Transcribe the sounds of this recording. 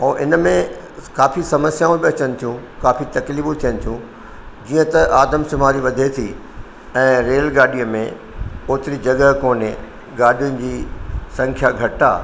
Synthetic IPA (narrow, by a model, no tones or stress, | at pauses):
õːʔɪnmẽ | kaːfisɐməsjaːũbiɐt͡ɕənɪ̆t̪ʰijũkaːfit̪ɐkliːbũt̪ʰijənɪ̆t̪ʰjũ | d͡ʑiːə̃t̪ɐʔaːd̪əmsʊmaːɾiʋɐd̪ʱet̪ʰi | ɛ̃ːɾeːlɡaːɗijə̃mẽ | oːt̪ɪɾid͡ʑɐɡəɦkoːnɪ | ɡaːɗijʊnɪ̆d͡ʑiːsɐ̃ŋkʰjaɡʱɐʈa̰ː